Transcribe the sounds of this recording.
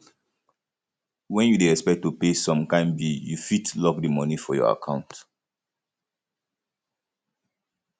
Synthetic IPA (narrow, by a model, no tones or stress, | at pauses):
wɛ̃njudeɹɛspɛk̚tːupesɔ̃mkãɪ̃mbijufitlɔkdimɔnifɔjɔ̰a̰kʰãʊ̃nt